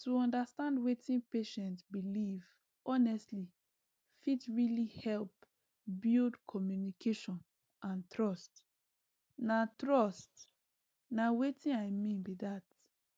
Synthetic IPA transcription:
tuɔ̃ndastãndwetĩnpeʃɛ̃ntsbiliv | ʔɔnɛstli | fitɹilihɛlp | bildkʰɔmjunikʰeʃɔ̃n | ʔãntɹɔst | natɹɔst | nawetĩnaɪmĩnbiðat

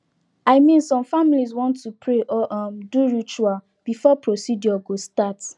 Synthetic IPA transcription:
aɪmĩnsɔ̃mfamiliz̬wɔ̃ntːupʰɹeʔɔʔɔmduɹit͡ʃual | b̥ifɔpɹosidjɔɡostat

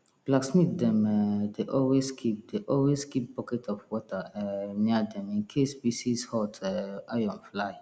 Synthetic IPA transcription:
b̥laɡsmit̚dɛ̃mɛdeʔɔlweskʰip̚deʔɔlweskip̚bɔkɛtʰɔfwɔtʰaɛmĩadɛ̃mĩnkʰesbisishɔtʰɛajɔ̃nflaj

